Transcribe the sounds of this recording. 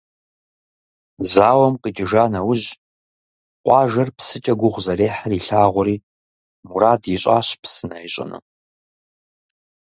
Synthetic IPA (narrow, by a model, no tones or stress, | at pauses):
zaːwɐmqʼət͡ʃʼɪʒaːnɐwʊʑ | qʷɑːʒɐrpsɨt͡ʃʼɐɡʷʊʁʷzɐreːħariɬaːʁʷʊɾiː | muɾaːdjɪɕʷʼaːɕpʰsɨnɐiɕʼɐ̰nɨ̰